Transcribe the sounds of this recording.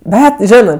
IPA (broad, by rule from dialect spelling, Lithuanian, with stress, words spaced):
ˈbʲɛt ˈʒʲɪnɜ